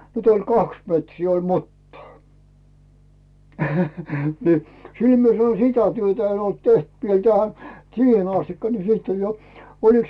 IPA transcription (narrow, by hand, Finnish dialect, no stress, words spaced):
nyt olʲ kɑks metriː olʲ mutːɑː ni sil mie sɑno sitæ tyøtæ en olt teht ʋiel tæhæ siːhen ɑstikːɑ ni siːt olʲ jo oliks